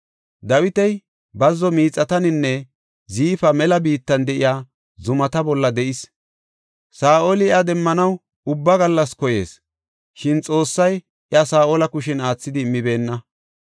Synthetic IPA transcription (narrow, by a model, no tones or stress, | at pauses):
d̪ɐwɪt̪ɛj | bɐzːɔmiːt͡sʼːɐt̪ɐnɪnːɛ | ziːfɐmɛlɐbiːt̪ːɐnd̪ɛʔɪjaː | zʊmɐt̪ɐbɔlːɐd̪ɛʔɪs | saːʔolɪɪɐd̪ɛmːɐnɐw | ʊbːɐɡɐlːɐskɔje̞̰ːs | ʃɪnt͡sʼo̞ːsːɐj | ɪɐsaːʔɔlɐkʊʃɛnaːt͡sːɪd̪ɪːmːɪbe̞ːnːɐ